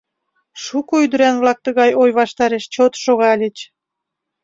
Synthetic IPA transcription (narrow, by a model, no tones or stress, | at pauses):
ʃukoyd̪ɾænβlɑk̚t̪əɣɑjojβɑʃt̪ɑɾeʃt͡ɕot̪ʃoɣɑlʲit͡ɕ